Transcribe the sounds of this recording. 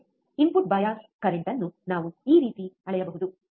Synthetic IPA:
impuʈ̚bɐjaːskɐɾeɳʈɐnːunaːʋuiːɾiːt̪iɐɭɛjɐbɐɦud̪u

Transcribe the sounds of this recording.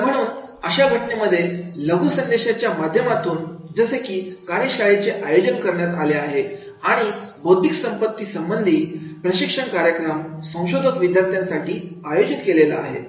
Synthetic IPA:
m̤əɽ̃uːnəɕabʱəʈneməd̪ʱːjeləɡʱusənd̪eɕat͡ɕjamad̪ʱjəmat̪ʰuːnd͡zəsekiːkaneɕaɭit͡seʔajod͡ʑənkəɾɳjat̪aleaɦe | aɽ̃ibowt̪iksəmpət̪ːiːsəmbənd̪ʱiːpɾəɕikʂəɳkaɾjəkɾəmsə̃w̃ɕod̪ʱəkʋid̪ʱjaɾt̪ʰjãnsaʈiːajod͡ʑit̪kelelaaɦḛ

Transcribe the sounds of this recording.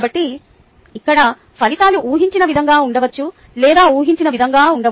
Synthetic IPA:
bɐʈːi | ikːɐɽɐ | pʰɐlit̪aːluʔuːɦiɲt͡ʃinɐʋid̪ʱɐŋɡaːuɳɖɐʋɐt͡ʃːu | lɛːd̪aːuːɦiɲt͡ʃinɐʋid̪ʱɐŋɡaːuɳɖɐ

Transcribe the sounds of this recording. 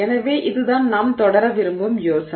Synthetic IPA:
ɛnɐʋeːʔɪðɯðaːnnaːmt̪ɔɽɐɾɐʋɪɾɯmbɯmjoːsɐ

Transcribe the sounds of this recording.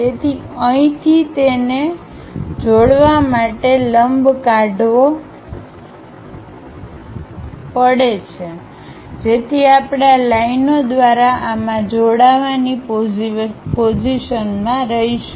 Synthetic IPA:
d͡ʒet̪ʰiəĩt̪ʰit̪ene | d͡ʒoɽʋamaʈeləmbkaɖʱʋo | pəɽet͡ʃʰe | d͡ʒet̪ʰiapɳalainod̪ʋaɾaʔamãd͡ʒoɽaʋani | pod͡ʒiʃənmãɾəɦiʃu

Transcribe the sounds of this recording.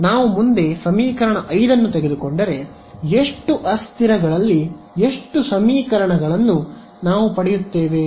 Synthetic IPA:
naːʋumund̪e̞sɐmiːkɐɾɐɳɐʔɐjd̪ɐnːut̪eɡe̞d̪ukoɳɖɐɾe̞ | eʂʈuʔɐst̪ʰiɾɐɡɐɭɐlːi | eʂʈusɐmiːkɐɾɐɳɐɡɐɭɐnːu | naːʋupɐɽɛjut̪ːe̞ːʋe̞

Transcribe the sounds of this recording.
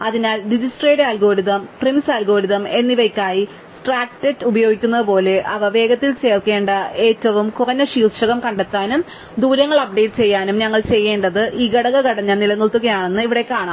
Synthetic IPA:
ɐðinaːlɖid͡ʑisʈreːʈaːlɡo̞ːɾiðɐmprimsaːlɡo̞ːɾiðɐme̞nːiʋɐkʲːaːji | sʈraːk̚ʈetːubɐjo̞ːɡikʲːunːɐðɨpo̞ːle̞ʔɐʋɐʋe̞ːɡɐt̪ːilt͡ɕe̞ːrke̞ːɳɖɐe̞ːtːɐʋumkurɐɲːɐɕiːrʂɐɣɐmkɐɳɖet̪ːaːnum | d̪uːɾɐŋːɐɭɐb̚ɖe̞jʈɨt͡ɕe̞jːaːnumɲɐŋːɐɭt͡ɕe̞jːe̞ːɳɖɐðɨʔiːɡɐɽɐɣɐkɐɽɐɲːɐnilɐnːuɭt̪ːuɣɐjaːɳenːɨiʋiɽekːaːɳa

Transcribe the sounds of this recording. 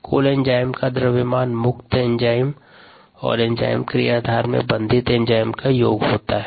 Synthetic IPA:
kʰo̰ːlẽɲd͡ʒaːɪmkad̪ɾəʋɪmaːnmʊkt̪ẽɲd͡ʒaːɪm | ɔ̰ːɾẽɲd͡ʒa̰ːɪmkɾijaːd̪ʱaːɾmḛ̃bɐ̃nd̪ʱɪt̪ẽɲd͡ʒaːɪmkajoːɡɦoːt̪aɦɛ

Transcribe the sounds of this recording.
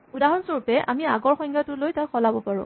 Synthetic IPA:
udaɦɔnsoɹupɛʔa̰miaɡɔɹxɔjŋɡatʊlojtakxɔlabɔpaɹʊ̰̃

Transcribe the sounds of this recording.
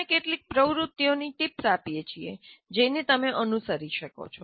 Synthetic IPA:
ekeʈlik̚pɾəʋɾut̪ːjoniʈipsapijet͡ʃʰied͡ʒenet̪əmeʔənusəɾiʃəko̰t͡ʃʰɔ

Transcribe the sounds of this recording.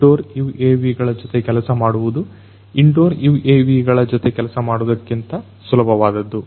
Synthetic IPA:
ɖoːɾjuːeːʋiɡɐɭɐd͡ʒɔt̪ekɛlɐsɐmaːɽuʋud̪u | iɳɖoːɾjuːʔeːʋiɡɐɭɐd͡ʒɔt̪ekɛlɐsɐmaːɽud̪ɐkːint̪ɐ | sulɐbʱɐʋaːd̪ɐd̪ːu

